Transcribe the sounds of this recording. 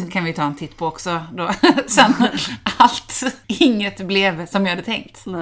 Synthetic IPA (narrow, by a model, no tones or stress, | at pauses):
nt̪kʰanvɪjt̪ʰɑːɛnt̪ʰɪt̪ːpʰɔɔksɔd̪oːsɛnalt̪ɪŋːət̪blɛvsɔmjaːhad̪ːət̪ʰɛŋkt̪